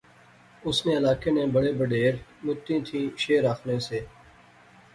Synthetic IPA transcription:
ʊsnẽːɪlaːkeːnẽːbəɽeːbəɖeːɾmʊt̪ːĩːt̪ʰĩːʃeːɾaːkʰnẽːseː

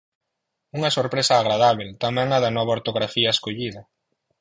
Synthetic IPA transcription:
uŋɐsoɾpɾesɐːɣɾaðaβ̞elt̪amɛ̃ŋaðɐnɔβaoɾt̪oɣɾafiɐeskoʎiðɐ

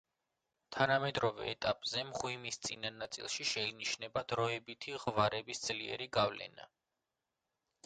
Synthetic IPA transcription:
t̪ʰanamɛd̪ɾɔvɛ̰ːt̪ʼapʼz̥ɛmʁwimist̪sʼḭnanːat̪sʼḭlˠʃiʃɛiniʃnɛbad̪ɾɔɛbit̪ʰiʁvaɾɛbisd̪z̥liɛ̰ɾiɡavlɛ̰na̰

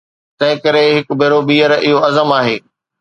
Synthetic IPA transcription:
t̪ɐ̃ɦɪ̃kɐɾeɦɪkbʱeːɾobiːəɾɪɦoɐzəmaːɦeː

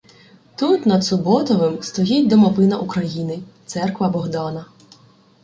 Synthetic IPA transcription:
t̪ut̪nɐd̪sʊbɔt̪ɔʋɪmst̪ɔjitʲd̪ɔmɔʋɪnɐʔukɾɐjinɪt̪sɛrkʋɐbɔɦd̪ɑnɐ

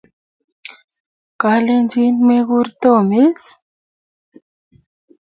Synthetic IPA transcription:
kalend͡ʒinmeɣuɾt̪omes

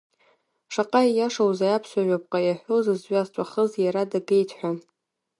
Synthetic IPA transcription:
ʂaqʼajjaʂawzajapʰsʷaʒʷᶣopʼqʼajaħʷozɨzɥazt͡ʃʷʼaχəzjaɾadapʰe̞jtʰħʷᶣa

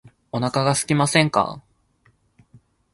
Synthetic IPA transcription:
o̞nakaɡasɨ̥kʲimasẽ̞ŋka̰

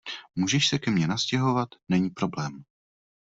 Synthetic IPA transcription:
muʒɛʃsɛkɛmɲɛnascɛɦo̞vat̪nɛɲiːpɾo̞blɛːm

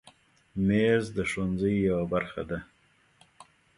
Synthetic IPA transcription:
mezd̪əʂwanzəjːawabaɾxa̰d̪a

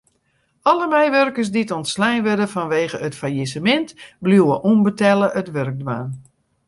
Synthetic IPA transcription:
ɔləmɛjʋørkərs̬ditɔntslɛjnʋødəfɔnʋeːɣəətfajisəmɛntbluwəʔunbətɛlˠəʔətʋørɡ̚dwaːn

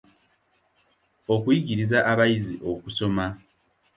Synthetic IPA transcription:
o̞kujiɟiɾizaʔaβajiziʔo̞kuso̞ma

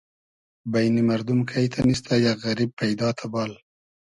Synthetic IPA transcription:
bajnimaɾd̪umkʰajt̪ʰanist̪ajaɣaɾib̚pajd̪ɑt̪ʰabɑl

